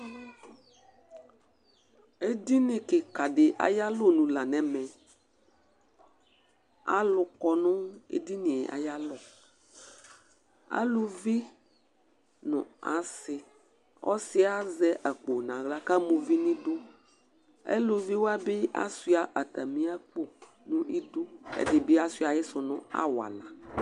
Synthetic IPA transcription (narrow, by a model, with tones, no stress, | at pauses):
e˦di˦nɪ̃˨kɪ˨ka˨ɖɪ˨ʔa̰˨ja˦lʊ˦nũ˨la˨nɛ̃˨mɛ̃˨ | a̰˨lʊ˨kɔ˨nʊ̃˦ḛ˦di˦nɪ̃˨ʔa̰˨ja˦lɔ˨ | a̰˦lʊ˨vi˦ | nʊ̰̃˨a˨sɪ˨ | ɔ̰˦sɪ˦a˦zɛ˦ʔa˨k͡po˨nã˨ɣla˦ka˦mo˨vi˦nĩ˦dʊ˦ | ḛ˦lʊ˨vi˦wo˦a˦bɪ˦ʔa̰˦su˦a˨ʔa˨t̪a˨mĩ˦a˦k͡po˦ | nʊ̃˦ʔi˦do˦ḛ˨dɪ˨be˦a˦su˦a˨jɛ˦sɔ˨nʊ̰̃˦a̰˦wa̰˨la˨